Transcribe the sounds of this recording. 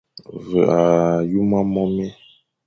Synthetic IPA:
və˨a˨ju˦ma˦mɔ˦mɛ˦

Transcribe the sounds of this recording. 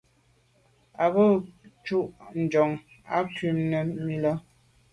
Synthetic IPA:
a˨bə˦˨t͡ʃu˦ʔn̩˨d͡ʒɔ˨ŋ | a̰˦kɥi˦˨mnə˨mi˦lɔ˦

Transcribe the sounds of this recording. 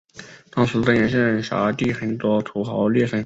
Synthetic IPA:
t̪ɑ˥ŋʂɹ̩˧˥t̪ə˧jɛ˨˧˥nʂə˥˩nʂa̰˧˥t̪i˥˩xə˨˧˩nt̪wɔ˥t̪ʰu˧˥xɑ˧˥ʊljɛ˥˩ʂə˧˥n

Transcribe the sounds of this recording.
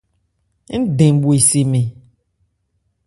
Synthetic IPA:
ŋ̩˦ɖẽ˨bo˨e˨se˨mẽ˨

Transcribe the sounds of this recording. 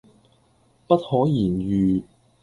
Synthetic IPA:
pɐ˥t̚hɔː˨˥jiː˨˩njyː˨

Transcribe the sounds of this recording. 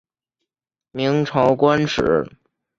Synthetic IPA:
mi˧˥ŋʈ͡ʂʰɑ˧˥ʊkwa˥nʈ͡ʂɻ̩̰˨˩˥

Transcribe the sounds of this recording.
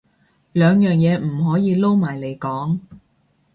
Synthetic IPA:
lœː˨˧ŋjœː˨ŋjɛː˨˧m̩˨˩ɦɔː˨˥jiː˨˧lo˥wmaː˨˩jle˨˧jkɔː˨˥ŋ

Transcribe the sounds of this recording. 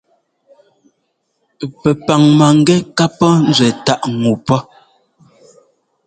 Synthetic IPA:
pɛ˨pa˨ŋma˨ŋ̩˨ɡɛ˦ka˦pɔ˦n̩˦zwɛ˨ta˦ʔŋu˨pɔ˦

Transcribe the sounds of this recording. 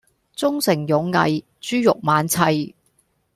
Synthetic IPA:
t͡sʊ˥ŋsɪ˨˩ŋjʊ˨˧ŋːɐ̰˨˧j | t͡ʃyː˥jʊ˨k̚maː˨˧nt͡sʰɐ˧j

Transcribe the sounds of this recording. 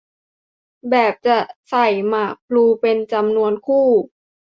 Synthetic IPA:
bɛː˨˩p̚t͡ɕa˨˩sa˨˩jmaː˨˩k̚pʰluː˧pe˧nt͡ɕa˧mnu˧ənkʰuː˥˩

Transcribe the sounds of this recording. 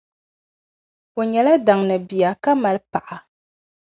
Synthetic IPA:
o˨ɲɛ˨la˦da˨ŋnɨ˨bi˨ja˨ka˦ma˨lpa˨ʔa˨

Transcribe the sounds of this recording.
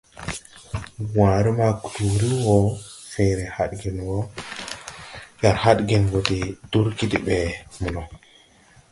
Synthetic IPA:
wã˨ɾi˦ma˦ku̥˨tu˨ɾi˦wo˦fẽ˨ɾe˨ha˨dɡe˨nwo˦ | ja˨ɾha˦ɗɡe˨nɡo˨di˨d̥u˦ɾki˦di˨ɓe˨mu˨no˨

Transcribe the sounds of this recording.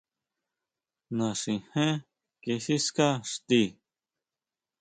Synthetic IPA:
nã˨ʂĩ˨hẽ˦ | ke˧si˦ska˦ʂt̪i˦˧

